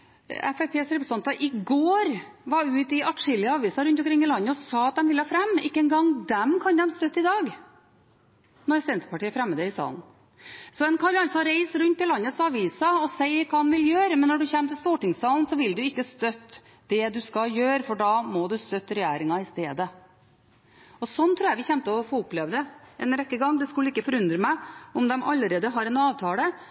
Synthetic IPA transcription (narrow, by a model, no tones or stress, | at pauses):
ɛ̰fæpʰeːsɾɛpɾəst̪ɑnt̪əʔɪɡoːɾʋɑɾʉːt̪ɪʔɑʈʂɪlːɪəɑːʋiːsɑɾʉnt̪ɔmkɾɪŋːɪlɑnːəɔsɑːɑt̪̚d̪ɛmʋɪlːəhɑːfɾɛmːɪkːəɛnɡɑŋd̪ɛmkʰɑnd̪ɛmst̪œt̪ːɪd̪ɑːɡ | nɔɾsɛnt̪ə̥pɑʈiːəfɾɛmːəd̪əɪsɑ̰ːln | sɔɛnkʰɑɾɑnsɔɾeɪsɾʉnt̪ːɪlɑnːət̪sɑʋiːsɑɔsæɪkʰɑːɑnʋɪljøːɾəmɛnːɔɖʉçɛmːt̪ʰɪlst̪uːʈɪŋsɑːln̩sɔʋɪld̪ʉɪkːəst̪œt̪ː | d̪ɛd̪ʉskɑjøːɾfɔɖɑːmɔd̪ʉst̪œt̪ːɾɛjæːɾɪŋɑɪst̪eːd̪ə | ɔsɔnt̪ʰɾʉːjæʋɪçɛmt̪əɔfoːʊpːleːʋd̪əʔɛnɾɛkːəɡɑŋːd̪ɛskʉlːəɪkːəfɔɾʉnd̪ɾəmæɪʊmd̪ɛmʔɑlːəɾeːd̪əɦɑɾɛnɑːʋt̪ʰɑːlə